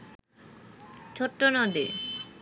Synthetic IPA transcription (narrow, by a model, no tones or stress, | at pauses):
t͡ɕʰoʈːonod̪e